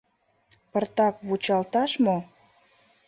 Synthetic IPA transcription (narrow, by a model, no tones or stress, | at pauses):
pərt̪ɑk̚βut͡ɕɑlt̪ɑʃmo